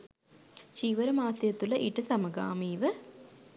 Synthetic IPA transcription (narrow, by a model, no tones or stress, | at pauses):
ʃiːʋəɾəmaːsɐjɐt̪uləʔiʈəsɐməɡa̰ːmiːʋə